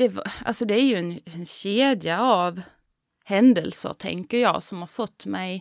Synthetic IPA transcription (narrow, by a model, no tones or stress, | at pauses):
d̥̪ɛvʔa̰lsɔd̪ɛæɾjɵɛnɛnɕeːd̪jaav | hɛnd̪əlsə̰ɾʈ̪ʰɛ̰ŋkəɾjɑ̰ːsɔmhɑɾfɔt̪ːmɛj